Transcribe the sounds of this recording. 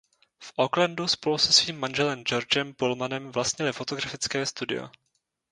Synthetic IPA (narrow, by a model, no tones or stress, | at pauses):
fʔoklanduspo̞lusɛsviːmːanʒɛlɛmd͡ʒo̞ɾd͡ʒɛmpolmanɛmvlast̪ɲɪlɪfo̞t̪oɡɾafɪt͡skɛːst̪udɪ̰jo̰